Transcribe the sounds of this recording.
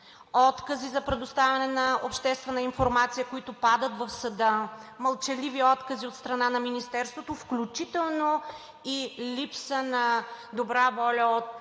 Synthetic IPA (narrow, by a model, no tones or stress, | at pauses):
ɔt̪kəzizɐpɾɛd̪ost̪avʲɐnɛnɐopʃt̪ɛst̪vɛnəinfoɾmat̪sijəkoit̪opad̪ət̪vɐfsɐd̪əmɐlˠt͡ʃɛliviɔt̪kəziot̪st̪ɾɐnanɐminist̪ɛɾst̪vot̪ofklʲut͡ʃit̪ɛlˠno | ilʲipsənɐd̪obɾavɔlʲəot̪̚